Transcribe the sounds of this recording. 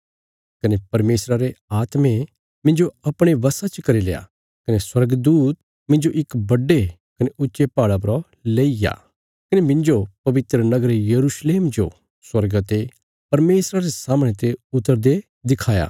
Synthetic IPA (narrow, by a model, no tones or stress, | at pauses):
kɐnepɐɾmeːsɾaɾeaːt̪mẽ | mɪ̃nd͡ʒoɐpɽ̃eʋɐsat͡ʃkɐɾileːa̰ | kɐneswɐɾɡd̪uːt̪̚ | mɪ̃nd͡ʒoʔɪkbɐɖːe | kɐneʔʊtːʃepaːɽapɾɔ | leːija̰ | kɐnemɪ̃nd͡ʒopɐʋɪt̪ɾənɐɡəɾejɐɾuːʃleːmd͡ʒo̰ | swɐɾɡat̪e | pɐɾmeːsɾaɾesaːmɽ̃et̪eʊt̪ːəɾd̪e | d̪ɪkʰaːja̰ː